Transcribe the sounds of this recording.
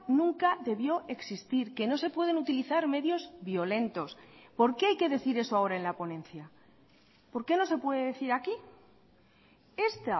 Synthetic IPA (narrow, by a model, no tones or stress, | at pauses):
nũŋkaðe̞βjo̞ʔe̞ksist̪iɾke̞no̞se̞pwe̞ð̞e̞nut̪iliθaɾme̞ðjo̞zβjo̞le̞nt̪o̞spo̞ɾke̞ajke̞ðe̞θiɾe̞soao̞ɾae̞nlapo̞nẽ̞nθja | po̞ɾke̞no̞se̞pwe̞ðeðeθiɾaki | e̞st̪a